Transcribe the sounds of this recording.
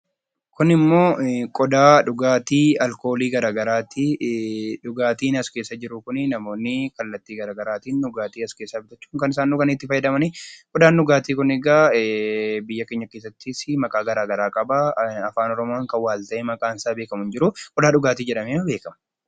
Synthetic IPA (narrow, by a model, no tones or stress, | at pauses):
kʊnɪmːo̞ːkʼɔd̪aːᶑʊɡaːt̪iːɐlko̞ːliːɡɐɾaːɡɐɾaːt̪ːɪ | ᶑʊɡaːt̪iːnɐske̞ːsːɐd͡ʒɪɾʊkʊnɪnɐmo̞ːnːɪkɐlːɐt̪ːiːɡɐɾaːɡɐɾaːt̪iːnːʊɡaːt̪iːɐske̞ːsːabɪt̪ɐt͡ʃːu̥ːŋkɐnɪsaːnːʊkɐnɪt̪ːɪfɐjːɛd̪ɐmɐnikʼɔd̪aːnːʊɡaːt̪iːkʊnɛɡaː | bɪjːɐke̞ːɲːɐkeːs̬ːɐt̪ːɪsɪmɐkʼaːɡɐɾaːɡɐɾaːkʼɐbɐɐfaːnɔɾɔmoːŋkɐwaːlt̪ɐʔeːmɐkʼaːnsaːbeːkɐmʊnd͡ʒɪɾʊkʼɔd̪aːᶑʊɡaːt̪iːd͡ʒɛᶑɐmeːɐbe̞ːkɐmɐ̥